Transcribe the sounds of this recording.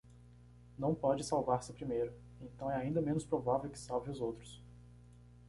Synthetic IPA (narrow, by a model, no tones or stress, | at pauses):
nɐ̃w̃pɔd͡ʒɪsawvaɾsɪpɾimejɾʊ | ẽnt̪ɐ̃w̃ɛaĩnd̪ɐmẽnʊspɾovavewkɪ̥sawvẽʊzowt̪ɾʊs